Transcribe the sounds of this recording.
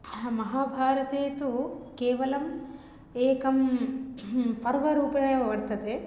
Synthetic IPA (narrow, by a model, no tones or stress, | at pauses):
mɐɦaːbʱaːɾɐt̪eːt̪ukeːʋɐlɐm | eːkɐm | pɐɾʋɐɾuːpɐɳeɐʋɐɾt̪ːɐt̪e